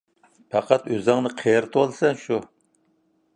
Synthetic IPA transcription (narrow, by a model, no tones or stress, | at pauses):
pʰɑqɑt̪øzɑŋnɨqʰejɾt̪ʰwolˠsɛnʃu